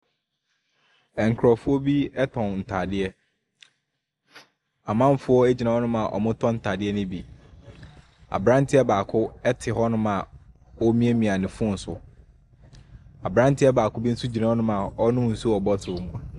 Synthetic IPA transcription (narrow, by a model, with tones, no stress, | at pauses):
ɛ˨ŋ̩˨kʰɾɔ˨fʊ˦ɔ˦bi˦ɛ˦tʰɔ̃˨nn̩˨tʰaː˨dɪ˦ɛ˦ | a˨mã˦m˦fʊ˦ɔ˦æ˦d͡ʑi˨nã˨ɔ˦nʊ̃˦mã˨ʔɔ̰˨mʊ̃˦tʰɔ̃˦n̩˨tʰa˨dɪ˦ɛ˦nɪ̃˦bi˨ | a̰˨bɾã˦n̩˦tʰɪ˦ɛ˦baː˨kʰʊ˦ɛ˦tʰɪ˨ɦɔ˦nʊ̃˦mã˨ | ɔ˦mĩ˦ɛ˦mĩ˨a˨nɪ̃˨fʊ˦n̩˨˦sʊ˨ | a˨bɾã˦n˦tʰɪ˦ɛ˦baː˨kʰʊ˦bi˦n̩˦su˦d͡ʑi˨nã˦ɔ˦nʊ̃˦mã˨ɔ˦nʊ̃˦n̩˨su˦ɔ˨bɔ˦tʰʊ˨ʊ˨mũ˨a˨